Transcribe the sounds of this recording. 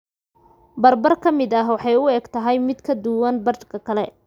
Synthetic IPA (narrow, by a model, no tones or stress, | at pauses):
bɐrbɐrkʰɐmɪd̪ɐɦwɑħɑjʊɛːɡt̪ʰɐɦɛjmɪd̪kʰɐd̪ʊwɐnbɐrkʰɐkʰɐlɛ